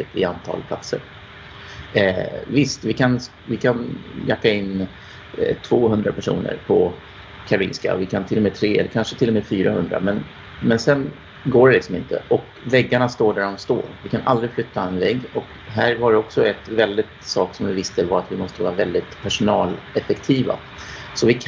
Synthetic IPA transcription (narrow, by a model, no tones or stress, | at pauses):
ət̪ɪ̰ant̪ʰɑ̰ːlpʰla̰t̪sə̰ɾ | vɪst̪vɪkʰan | vɪkʰanjakːaɪnː | t̪ʰvoːɦɵnd̪ɾapʰæʂṵːnə̰ɾpʰɔ | kʰaɾʊḭːnska̰ɔ̰vɪkʰant̪ʰɪlːɔmeːt̪ʰɾeːɛlːəɾkʰanʂət̪ʰɪlːɔmeːfyːɾahɵnd̪ɾa̰mɛn | mɛnsɛn | ɡoːɖɛlɪksɔmɪ̰nt̪ə̰ʔɔk | vɛɡːaɳast̪oːɖæɖɔmst̪o̰ːɾvɪkʰanʔa̰ld̪ɾɪɡflʏt̪ʰːaɛnvɛɡːɔk | ɦæːɾvaɖɛɔksɔɛt̪vɛld̪ɪt̪sɑːksɔmvɪvɪst̪əvaɾat̪vɪmɔst̪əvɑːɾavɛld̪ɪt̪pʰæʂʊnɑːlɛfɛkt̪ʰiːva̰ | sɔvɪkʰ